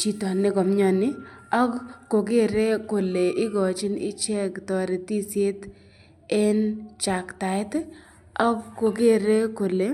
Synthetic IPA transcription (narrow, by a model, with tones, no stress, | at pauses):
t͡ʃi˨tɔ˨nːɪ˦ɡɔ˨mɲɔ˧˨nɪ˦ɔ˦kko˨ɡe˦ɾe˦ko˨le˨ʔɪ˦ɡɔ˨t͡ʃɪ˦nɪ̰˦t͡ʃɛ˦ktɔ˨ɾe˨ti˦sje˦t | e˦nt͡ʃa˨kta˨ɪ˦t | ɔ˦kkːo˨ɡe˦ɾe˦ko˨le˨